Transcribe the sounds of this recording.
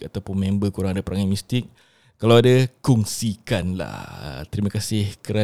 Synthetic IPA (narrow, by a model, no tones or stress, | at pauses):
at̪awpʊnmɛ̃mbəkuɾaŋadapəɾaŋamist̪ɪk̚ː | alawadakuŋsikanla̰hə̰t̪əɾimãkasɪhkəɾa